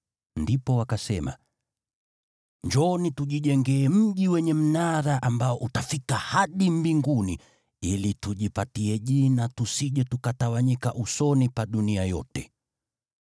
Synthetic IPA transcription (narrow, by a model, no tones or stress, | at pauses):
ndipɔwakasɛma̰ | ɲd͡ʒɔnituʄiʄɛŋɡɛːm̩ʄiwɛɲɛm̩naɾaʔambaɔʔutafikahaɗimbiŋɡuni | ilituʄipatiɛʄinatusiʄɛtukatawaɲikaʔusɔnipaɗuniajɔ̰tɛ